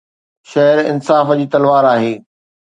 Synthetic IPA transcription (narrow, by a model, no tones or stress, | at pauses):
ʃɐɦəɾɪ̰nsaːfd͡ʑiːt̪ɐlʋaːɾaːɦeː